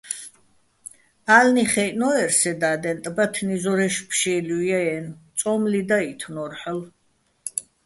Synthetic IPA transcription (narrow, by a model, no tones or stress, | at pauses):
aːlniχɛjnɔɛɾsɛd̪aːd̪ɛnt̪ʼbat̪ʰnizɔɾɛʃpʰʃɛːlujaɛnt͡sʼɔmlid̪ait̪ʰnɔɾħəl